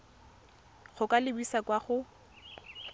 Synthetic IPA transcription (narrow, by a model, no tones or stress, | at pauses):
χʊkʼalɪbisakwaχʊ